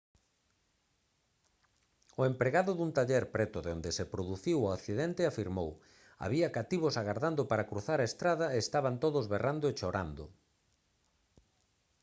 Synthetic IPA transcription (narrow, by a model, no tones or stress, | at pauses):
ʊempɾeɣaðʊðunt̪aʎeɾpɾɛt̪ʊðeond̪esepɾoðuθiwʊakθiðɛnt̪ɪafiɾmow | a̰βiɐkat̪iβ̞osaɣaɾðand̪opaɾakɾuθaɾaest̪ɾaðaeːst̪aβant̪oðozβerand̪oet͡ʃoɾa̰nd̪ʊ̰